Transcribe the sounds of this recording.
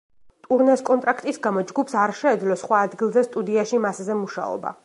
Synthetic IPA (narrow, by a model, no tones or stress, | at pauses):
t̪ʼuɾnɛskʼɔnt̪ʼɾakʰt̪ʼisɡamɔd͡ʒɡupʰsaɾʃɛːd̪zlɔsχwaːd̪ɡilˠzɛst̪ʼud̪iaʃimaszɛmuʃa̰ɔ̰ba̰